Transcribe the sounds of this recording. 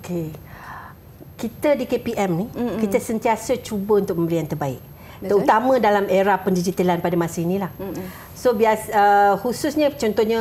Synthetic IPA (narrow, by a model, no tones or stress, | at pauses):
okʰe | kit̪ədikepiʔɛmnikit̪əsənt̪iasət͡ʃubəunt̪ʊk̚mə̃mbəliant̪ərbaɪ̰ʔ̪̚ | əut̪amə̃dalameɾahpəndid͡ʒit̪əlanpadamasəinĩlah | sobiasəhusʊsɲət͡ʃɔnt̪ɔɲə